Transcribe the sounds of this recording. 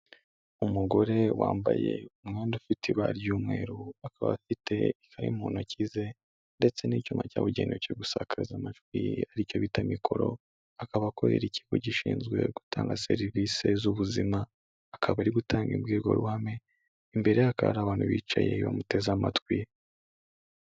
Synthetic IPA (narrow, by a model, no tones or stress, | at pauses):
umuɡo̞ɾe̞waːmbaje̞umŋeːndufitʰiβaɾjuːmŋe̞ːɾuakaβa̰fitʰe̞̰ikʰaɾḭmuːnocize̞ | nde̞t͡se̞nicumacaːβuɟeːnocoɡusakaɾizamat͡ʃwḭaɾico̞βitamikʰo̞ɾo̞̰ | akaβakoɾḛɾici̥ɡoɟiʃiːnzɡwe̞ɡu̥tʰaːŋɡaseɾivise̞zuβuzimaː | kʰaβaɾiɡutʰaːŋɡḭbɡeːɡo̞̰ɾuhame | imbe̞ɾejakaβa̰ɾaβaːn̥huβiːt͡ʃaje̞βa̰mute̞zamatkwi